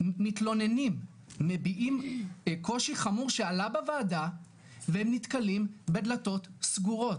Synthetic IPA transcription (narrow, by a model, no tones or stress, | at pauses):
mitlo̞nenimː | ebiʔimko̞ʃiχamuʁʃealabavaːda | vehemnit̪kalimbed̪lato̞tsɡuʁo̞t